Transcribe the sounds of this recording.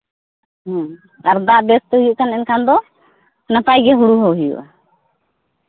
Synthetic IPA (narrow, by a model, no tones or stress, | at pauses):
ɦɔ̃ | aɾd̪aʔbɛst̪ɔɦujuʔkanɛnkʰand̪ɔ | napajɡɛɦuɽuɦɔɦujṵʔa